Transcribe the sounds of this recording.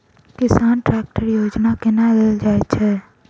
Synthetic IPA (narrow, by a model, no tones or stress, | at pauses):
kɪsaːnʈɾak̚ʈəɾjod͡ʒnakenaleld͡ʒaɛt͡ʃʰɛ